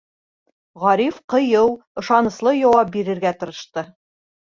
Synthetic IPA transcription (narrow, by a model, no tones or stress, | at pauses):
ʁɑɾifqɤ̆jɤw | ɤ̆ʃɑnɤ̆slˠɤjɒwɑp̚biɾɘ̆ɾɡæt̪ɤ̆ɾɤ̆ʃt̪ɤ